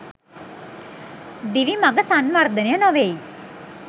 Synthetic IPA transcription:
d̪iʋiːmaɡəsanmaɾd̪ənãnɔʋeiː

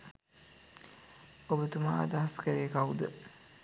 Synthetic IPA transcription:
obət̪uma̰d̪aɦaskəɾejəkaud̪ə

